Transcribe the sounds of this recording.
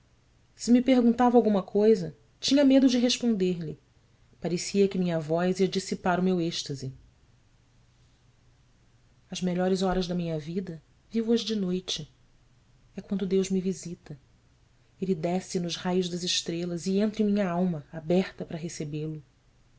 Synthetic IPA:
sɪmipeɦɡũnt̪avawɡũmɐkʰojzɐ | t͡ʃĩɲɐmed̪ʊd͡ʒɪɦeʃpõnd̪eɾlɪ | paɾesiɐkɪmĩɲɐvɔziɐd͡ʒisipaɾʊmeweʃt̪ɐzɪ | ɐzmeʎɔɾɪzɔɾɐzd̪ɐmĩɲɐvid̪ɐ | vivʊɐʒd͡ʒɪnojt͡ʃɪ | ɛkwɐ̃nd̪ʊd̪ewʒmivizit̪ɐ | elɪd̪ɛsɪnʊzhajʊʒd̪ɐzɪʃt̪ɾelɐziẽnt̪ɾĩmĩɲɐawmɐabɛχt̪ɐpɾɐɦesebelʊ

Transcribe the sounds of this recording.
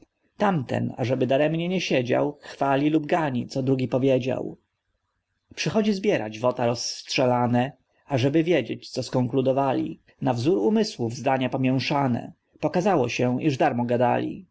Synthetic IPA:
t̪amt̪ɛ̰na̰ʐɛbɘd̪aɾɛmɲɛɲɛɕed͡ʑa̰wxfalʲilub̚ɡaɲit̪sɔd̪ɾuɡʲipɔvʲjed͡ʑa̰w | pʂɘxɔd͡ʑizbʲjɛɾa̰d͡ʑvɔt̪aɾɔsːtʂɛlanɛ | aʐɛbɘvʲjed͡ʑet͡ɕt̪sɔskɔŋklud̪ɔvalʲḭ | navzuɾumɘswuvzd̪aɲapɔmʲjɛw̃ʂanɛ̰ | pɔkazawɔɕɛʔiʐd̪aɾmɔɡad̪a̰lʲḭ

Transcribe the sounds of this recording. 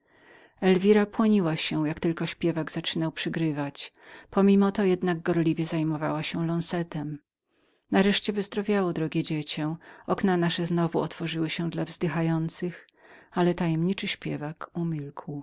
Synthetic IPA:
ɛlvʲiɾapwɔɲiwaɕɛjakt̪ɘlkɔɕpʲjɛvaɡz̥at͡ʂɘnawpʂɘɡɾɘvat͡ɕpɔmʲimɔt̪ɔjɛd̪naɡ̚ɡɔɾlʲivʲjɛzajmɔva̰waɕɛlɔ̃ñsɛt̪ɛm | naɾɛʂt͡ɕɛvɨzd̪ɾɔvʲjawɔd̪ɾɔɡʲjɛd͡ʑɛt͡ɕɛɔknanaʂɛznɔvuɔt̪fɔʐɘwɘɕɛ̃d̪lavzd̪ɘxajɔnt̪sɘx | alɛt̪ajɛmɲit͡ʂɘɕpʲjɛvakumʲilkw

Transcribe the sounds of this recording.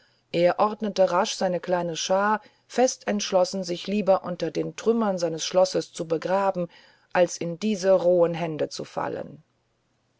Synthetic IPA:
ʔeːɐʔɔɐdnətəʁaʃz̥aɪnəkl̥aɪnəʃaːɐ | fɛstʰɛntʃlɔsn̩zɪçliːbɐʔʊntɐdeːntʁ̥ʏmɐnzaɪnəsʃlɔsəst͡subəɡʁaːbm̩ | ʔalsɪndiːzəʁoːənɦɛndət͡sṵfa̰lə̰n

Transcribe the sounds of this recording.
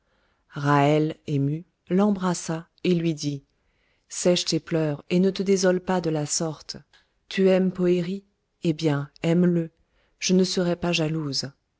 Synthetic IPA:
ʁaɛlemy | lɑ̃bʁasa | elɥid̪i | sɛʃt̪eplœʁenət̪əd̪ezɔlpad̪əlasɔʁt̪ | t̪ʰyɛmpɔeʁi | ebjɛ̃ɛmlə | ʒ̥ənəsəʁɛpaʒaluz

